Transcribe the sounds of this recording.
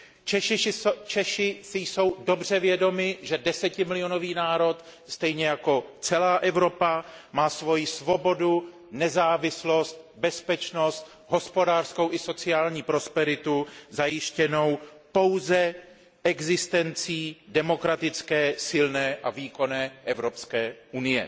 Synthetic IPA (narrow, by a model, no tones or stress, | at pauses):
t͡ʃɛʃɪt͡ʃɛʃɪsɪjso̞wdo̞br̝ɛvjɛdo̞mɪʒɛdɛsɛcɪmɪlɪo̞no̞viːnaːɾo̞t̪ | st̪ɛjɲɛjako̞t͡sɛlaːʔɛvɾo̞pamaːsvo̞jɪsvo̞bo̞du | nɛzaːvɪslo̞st̪bɛspɛt͡ʃno̞st̪ | ɦo̞spo̞daːr̥sko̞wʔɪso̞t͡sɪaːlɲiːpɾo̞spɛɾɪt̪uzajɪʃcɛno̞w | po̞wzɛ | ʔɛɡzɪst̪ɛnt͡siːdɛmo̞kɾat̪ɪt͡skɛːsɪlnɛːʔaviːko̞nɛːʔɛvɾo̞pskɛːʔunɪjɛ̰